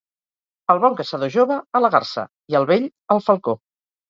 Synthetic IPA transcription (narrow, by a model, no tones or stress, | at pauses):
əlˠβɔŋkəsəðoʒoβəːləɣa̰rsə̰ | iəlˠβeʎəlˠfəlˠko